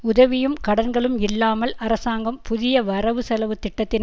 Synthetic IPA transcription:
ʊðɐʋɪjɯmkɐɽɐnɡɐɭɯmɪlːaːmɐlɐɾɐsaːŋɡɐmpʊðɪjɐʋɐɾɐʋɯsɛlɐʋɯt̪ɪʈːɐt̪ːɪn

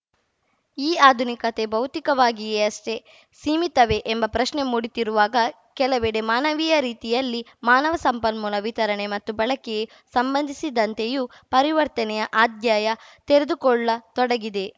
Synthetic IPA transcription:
iːaːd̪ʱunikɐt̪e̞bɐwt̪ikɐʋaːɡieɐsʈe̞ | siːmit̪ɐʋe̞ʔembɐpɾɐʃne̞muːɽit̪iɾuʋaːɡɐ | kɛlɐʋeːɽemaːnɐʋijɐɾiːt̪ijɐlːimaːnɐʋɐsɐmpɐnmuːlɐʋit̪ɐɾɐɳe̞mɐt̪ːubɐɭɐkɛje | sɐmbɐnd̪ʱisid̪ɐnt̪e̞ju | pɐɾiʋɐɾt̪ɐnɛjɐʔaːd̪jaːjɐt̪eɾed̪ukɔɭːɐt̪ɔɽɐɡid̪e̞

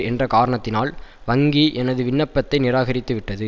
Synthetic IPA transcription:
ɛndrɐkaːɾɐɳɐt̪ːɪnaːlʋɐŋɡiʔɛnɐðɯʋɪɳːɐpːɐt̪ːɐɪnɪɾaːɣɐɾɪt̪ːɯʋɪʈːɐðɯ

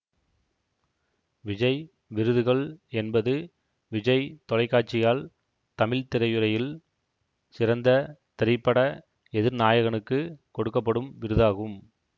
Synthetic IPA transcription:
ʋɪd͡ʒɐɪ | ʋɪɾɯðɯɣɐɭɛnbɐðɯ | ʋɪd͡ʒɐɪt̪ɔlɐɪkːaːʈ̚t͡ʃːɪjaːl | t̪ɐmɪlt̪ɪɾɐjɯɾɐjɪl | sɪɾɐnd̪ɐt̪ɪɾɪpːɐɽɐ | ɛðɪɾnaːjɐɣɐɳɯkːɯkɔɽɯkːɐp̬ːɐɽɯmʋɪɾɯðaːɣɯm

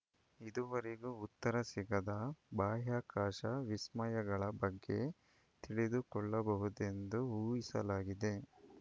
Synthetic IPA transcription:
id̪uʋɐɾeɡuːt̪ːɐɾɐsiɡɐd̪ɐbaːɦaːkaːʃɐʋismɐjɐɡɐɭɐbɐɡːe̞̰ | t̪iɭid̪ukɔɭːɐbɐɦud̪e̞nd̪uuːjisɐlaːɡid̪e̞

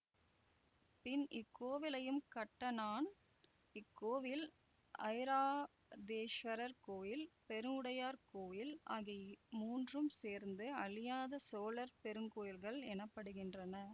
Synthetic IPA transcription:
pɪnʔɪkːoːʋɪlɐjɯmkɐʈːɐnaːn | ɪkːoːʋɪl | ʔɐɪɾaː | d̪eːʃʋɐɾɐɾkoːjɪlpɛɾɯmʊɽɐjaːɾkoːjɪlaːɣɐmuːndrɯmseːɾnd̪ɯɐɭɪjaːðɐsoːlɐɾpɛɾɯŋkoːjɪlɣɐɭɛnɐpːɐɽɯɣɪndrɐnɐ

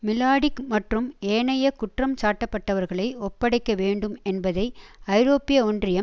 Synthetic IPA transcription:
mɪlaːɽɪkmɐʈrɯmeːɳɐjɐkʊʈrɐmt͡ʃaːʈːɐpːɐʈːɐʋɐɾɣɐɭɐɪɔpːɐɽɐɪkːɐʋeːɳɖɯmɛnbɐðɐɪɐɪɾoːpɪjɐɔndrɪjɐ

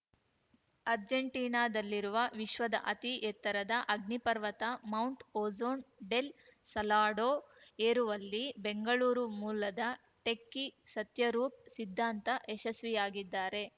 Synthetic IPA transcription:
ɐɾd͡ʒeɳʈiːnaːd̪ɐlːiɾuʋɐʋiʃʋɐd̪ɐ̰ʔɐt̪ijɛt̪ːɐɾɐd̪ɐʔɐɡnipɐɾʋɐt̪ɐmɐwɳʈoːzoːnɖe̞lsɐlaːɖoːeːɾuʋɐlːibeŋɡɐɭuːɾumuːlɐd̪ɐ | ʈekːisɐt̪jɐɾuːp̚sid̪ʱːaːnt̪ɐʔeʃɐsʋijaːɡid̪ːaːɾe̞

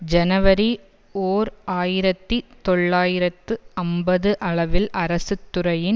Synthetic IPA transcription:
d͡ʒɐnɐʋɐɾi | oːɾaːjɪɾɐt̪ːit̪ɔɭːaːjɪɾɐt̪ːɯɐmbɐðɯʔɐɭɐʋɪlʔɐɾɐsɯt̪ːɯɾɐjɪn

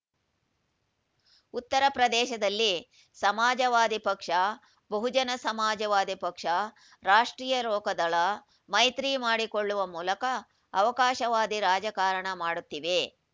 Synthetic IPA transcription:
ut̪ːɐɾɐpɾɐd̪ɛːʃɐd̪ɐlːi | sɐmaːd͡ʒɐʋaːd̪ipɐkʂɐ | bɐɦud͡ʒɐnɐsɐmaːd͡ʒɐʋaːd̪ipɐkʂɐ | ɾaːʂʈɾiːjɐlɔːkɐd̪ɐɭɐ | mɐjt̪ɾiːmaːɽikoɭːuʋɐmuːlɐkɐː | ʋɐkaːʃɐʋaːd̪iɾaːd͡ʒɐkaːɾɐɳɐmaːɽut̪ːiʋe

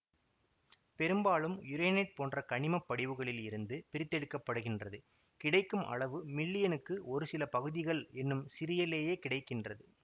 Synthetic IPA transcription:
pɛɾɯmbaːlɯmjʊɾeːnɛɪʈ̚poːndrɐkɐɳɪmɐpːɐɽɪʋɯɣɐɭɪlɪɾɯnd̪ɯpɪɾɪt̪ːɛɽɯkːɐpːɐɽɯɣɪndrɐðɯ | kɪɽɐɪkːɯmɐ̰ɭɐʋɯmɪlːɪjɐnɯkːɯʔɔɾɯsɪlɐpɐɣɯðɪɣɐɭɛnːɯmsɪɾɪjɐleːjeːkɪɽɐɪkːɪndrɐðɯ

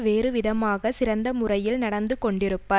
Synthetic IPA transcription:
ʋeːɾɯʋɪðɐmaːɣɐsɪɾɐnd̪ɐmʊrɐjɪlnɐɽɐnd̪ɯkɔɳɖɪɾɯpːɐ

